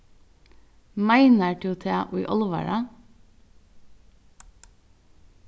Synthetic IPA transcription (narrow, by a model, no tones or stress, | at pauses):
mæɪnəʈʰɪʊt̪ʰeːʔuʏʔɔlʋæ̰ɹɑ